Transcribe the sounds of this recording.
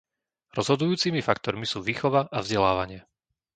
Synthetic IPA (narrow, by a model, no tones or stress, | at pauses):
ɾɔzɦɔd̪ujuːt͡simifakt̪ɔɾmisuːʋiːxɔʋaʔavzɟɛlaːʋaɲɪɛ